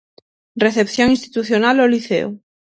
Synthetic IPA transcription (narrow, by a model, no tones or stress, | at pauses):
reθepθjoŋĩnst̪i̥t̪uθjonaloliθḛo̰